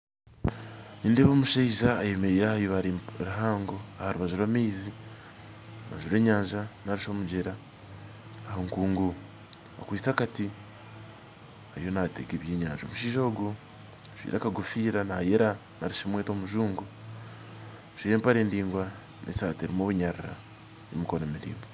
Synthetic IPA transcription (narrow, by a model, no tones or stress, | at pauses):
niːndeːβoːmuʃeiʒaːjemeɾiːjahajoβaɾɾaɦaːŋɡoahaɾuβaʒuɾwamiːzi | uβa̰ʒuɾe̞ːɲaːɲʒanaɾiʃomuɟeɾaː | hoŋkuːŋɡu | a̰kwiːt͡sakati | hajo̞natḛkeβje̞ːɲaːnʒao̰muʃiːʒo̞ːɡu | ʃwḭɾa̰kaɡufiːɾanajeɾa | naɾiʃomweːtomuʒuːŋɡu | ʃijeːmpaɾeːndiːŋɡwa | nʔḛsateɾimoβuɲaɾiɾa̰ | emikonomiɾḭːmbo